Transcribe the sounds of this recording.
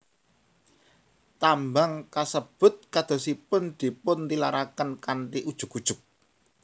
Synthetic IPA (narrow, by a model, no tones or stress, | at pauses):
t̪ambaŋkasəb̥ʊ̤t̪̚kad̪̥ɔ̤sipʊnd̪̥i̤pʊnt̪ilaɾakənkant̪iʔud̥ʒ̥ʊ̤kud̥ʒ̥ʊ̤k̚